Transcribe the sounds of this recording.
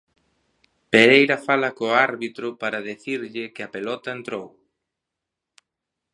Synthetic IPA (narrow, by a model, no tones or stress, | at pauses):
peɾejɾɐfalɐkoaɾβit̪ɾʊpaɾɐðeθiɾʎɪkɪɐpelɔt̪ɐent̪ɾow